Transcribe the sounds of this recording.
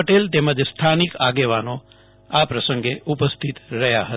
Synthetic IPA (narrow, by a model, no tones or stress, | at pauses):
əʈelt̪eməd͡ʒst̪ʰanikaɡeʋano | apɾəsə̃ŋɡeʔupəst̪ʰit̪ɾəɦjaɦə